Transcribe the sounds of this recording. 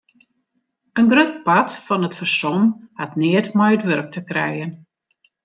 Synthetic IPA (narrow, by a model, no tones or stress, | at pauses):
ənɡrøt̚patfɔnətfərsɔnhatnɪətmɔjətʋøɾək̚təkrɛjən